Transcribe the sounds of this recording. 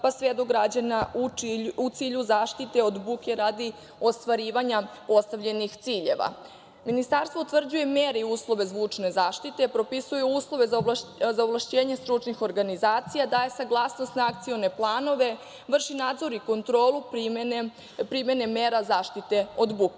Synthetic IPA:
pasʋed̪oɡɾad͡ʑanauut̪siːʎuzaːʃt̪it̪e̞o̞d̪bukeɾad̪i | ost̪ʋaɾiːʋaɲapo̞st̪aʋʎe̞nixt̪siːʎeʋa̰ | minist̪aɾst̪ʋout̪vr̩d͡ʑuje̞meːɾiuːslˠo̞ʋe̞zʋut͡ʂne̞zaːʃt̪it̪epɾo̞pisujuuːslˠo̞ʋe̞zaazaovlˠaʃt͡ɕeːɲest̪ɾut͡ʃnixo̞ɾɡanizaːt̪sijad̪ajesaɡlˠasnost̪naak̚t̪sio̞ne̞plˠaːno̞ʋe̞ | ʋr̩ʃinaːd̪zo̞ɾiko̞nt̪ɾo̞ːlˠupmn | pɾimje̞ne̞meːɾazaːʃt̪it̪e̞o̞d̪buke

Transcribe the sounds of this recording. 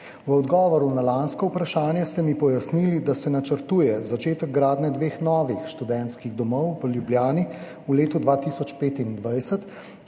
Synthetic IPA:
ʋəɔd̪ɡɔːʋɔɾunalaːnskɔupɾaʃaːnjɛst̪ɛmipɔjasnilid̪asɛnat͡ʃəɾt̪uːjɛzat͡ʃeːt̪əɡ̚ɡɾaːd̪nɛd̪ʋeːxnɔːʋixʃt̪ud̪ɛnt̪skiɣd̪ɔmɔwʋəljubljaːni | uleːt̪ud̪ʋaːt̪iːsɔt͡ʃpeːt̪ind̪ʋajsət̪

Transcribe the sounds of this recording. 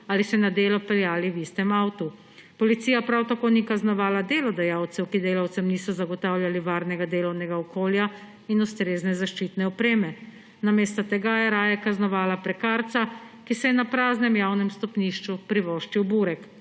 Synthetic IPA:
aːlisɛnad̪eːlɔpɛljaːliwist̪ɛmaːwt̪u | pɔlit̪siːjapɾawt̪akoːnikaznɔʋaːlad̪eːlɔd̪ɛjaːwt̪sɛwkid̪eːlawt̪sɛmniːsɔzaɡɔt̪aːwljaliʋaːɾnɛɡad̪eːlɔwnɛɡaɔkoːlja | inust̪ɾeːznɛzaʃt͡ʃiːt̪nɛɔpɾeːmɛ | nameːst̪ɔt̪ɛɡajɛɾaːjɛkaznɔʋaːlapɾɛkaːɾt̪sakisɛjɛnapɾaːznɛmjawnɛmst̪ɔpniʃt͡ʃupɾiʋɔːʃt͡ʃiwbuːɾɛk

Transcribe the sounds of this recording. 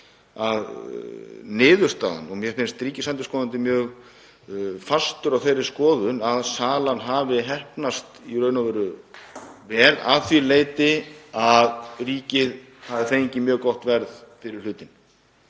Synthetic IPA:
að | nɪːðʏɾ̥st̪a̰ːða̰nɔɣmjɛfɪnst̪ɾiːcɪsant̪ɪskɔːðant̪ɪmjœːɣ | fast̪ʏɾawθejrɪɾ̥skɔːðʏnaðsaːlanɦaːvɪɦɛhpnast̪irœːɥnavɛɾʏ | vɛːla̰ðθvileːjt̪ɪaðriːcɪð | havɪθeːjɲcɪmjœːɣkɔht̪vɛɾðfɪɾɪɾ̥lʏːt̪ɪn

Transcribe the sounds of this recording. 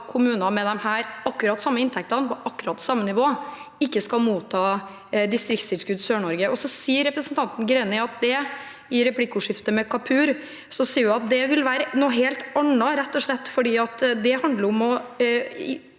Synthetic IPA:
kʰʊmʉːnɑmɛd̪ɛmhæːɾɑkːʉɾɑt̪sɑmːəɪnt̪ʰɛk̚t̪ɑnpɔʔɑkːʉɾɑt̪sɑmːənɪʋoːɪkːəskɑlmuːt̪ʰːɑː | d̪ɪst̪ɾɪkt̪st̪ɪlskʉd̪søːɳɔɾɡəʔɔsɔsiːəɾːɛpɾəsənt̪ʰɑnt̪n̩ɡɾɛːnɪɑt̪̚d̪ɛ | ɪɾɛplɪkːəʊʂɪft̪əmɛkʰɑpʰʉːɾ | sɔsiːəɾjʊɑt̪̚d̪ɛʋɪlʋæːɾənoːɦeːlt̪ɑɳɑɾɛt̪ːɔʂɭɛt̪ːfɔɖiːɑt̪d̪ɛhɑnd̪ləɾɔmɔ

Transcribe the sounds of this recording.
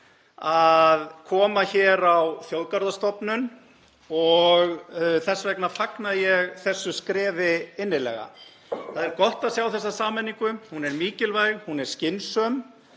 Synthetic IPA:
aðkʰɔːmaçɛːɾawθjowðkaɾðast̪ɔpnʏn | ɔɣθɛsːavɛknafaknaðjɛɣθɛsːʏskɾɛːvɪɪnːɪlɛ̰ɣa̰ | θaðɛɾkɔht̪aðsjaːwθɛs̬ːasaːmɛnːiŋkʏhunɛɾmiːcɪlvajɣhunɛ̥scɪnsœm

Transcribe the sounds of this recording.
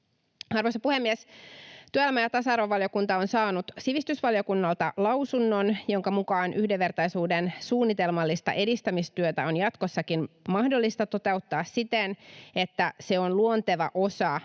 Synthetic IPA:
ɑrʋojsɑpuhemːiest̪yøææmæjɑt̪ɑsɑrʋɑʋɑljo̞kunt̪ɑo̞nsɑːnut̪siʋist̪ysʋɑljo̞kunːɑlt̪ɑlɑwsunːo̞njo̞ŋkɑmukɑːnʔyhdeʋːe̞rt̪ɑjsuːdensuːnːit̪e̞lmɑlːist̪ɑ̰ʔe̞dist̪æmist̪yøt̪æo̞njɑt̪kosːɑkinmɑhdo̞lːist̪ɑt̪o̞t̪e̞ut̪ːɑːssit̪ene̞t̪ːæse̞onluont̪eʋɑʔo̞sɑ

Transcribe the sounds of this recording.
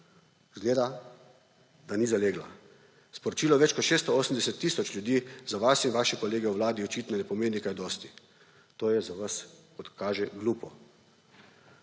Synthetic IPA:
zɡleːd̪a | d̪̥aniːzaleːɡla̰ | spɔɾɔt͡ʃiːlɔʋɛt͡ʃkɔt̪ʃeːst̪ɔoːsəm̩d̪ɛsɛt̪ːiːsɔt͡ʃlʲjud̪iːzaʋasinʋaːʃɛkɔleːɡɛuʋlaːd̪iɔt͡ʃit̪nɔnɛpɔmeːnikajd̪ɔːst̪i | t̪oːjɛzaʋaskɔt̪kaːʒɛɡluːpɔ

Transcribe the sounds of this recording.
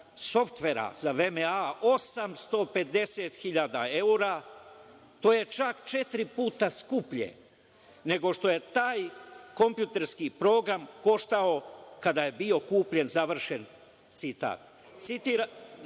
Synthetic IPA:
so̞ft̪ʋe̞ɾa̰zaʋemeao̞samst̪o̞pe̞d̪e̞set̪xiʎad̪ae̞uɾa | t̪oːje̞t͡ʃakt͡ʃe̞t̪ɾipuːt̪askupʎḛ | ne̞ɡo̞ʃt̪o̞je̞t̪aːjko̞mpjut̪eɾskipɾo̞ːɡɾamko̞ʃt̪ao̞kad̪aje̞bio̞kuːpʎe̞nzaʋr̩ʃe̞n | t̪sit̪a̰ːt̪ | t̪sit̪iːɾa

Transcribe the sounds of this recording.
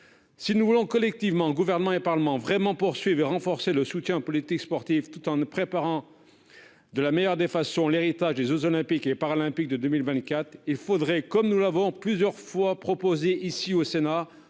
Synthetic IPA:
sinuvulɔ̃kɔlɛk̚t̪ivmɑ̃ɡuvɛʁnəmɑ̃epaʁləmɑ̃vʁɛmɑ̃puʁsɥivʁeʁɑ̃fɔʁseləsut̪jɛ̃opɔlit̪ikspɔʁt̪ivt̪ut̪ɑ̃npχepaʁɑ̃ | d̪əlamejœʁd̪efasɔ̃leʁit̪aʒd̪ezozɔlɛ̃pikepaʁalɛ̃pik̚d̪əd̪ømilvɛ̃t̪̚kʲat̪χilfod̪ʁɛkɔmnulavɔ̃plyzjœʁfwapχɔpozeʔisiosena

